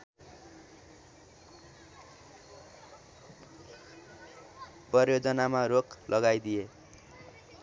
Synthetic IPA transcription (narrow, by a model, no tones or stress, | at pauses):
prʌrjod͡zʌnamaɾoklʔʌɡajd̪ie